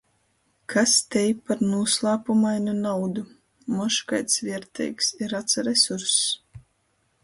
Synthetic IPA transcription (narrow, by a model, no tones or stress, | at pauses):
kʰast̪ʲɛjpːaɾnuɔslˠaːpumajnunawd̪u | mɔʃkajt̪svʲiɛɾt̪ʰɛ̰jksiɾat̪saɾɛsuɾs